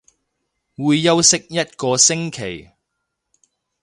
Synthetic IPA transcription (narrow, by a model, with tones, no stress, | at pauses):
wuː˨˧jːɐ˥wsɪ˥k̚jɐ˥t̚kɔː˧sɪ˥ŋkʰe˨˩j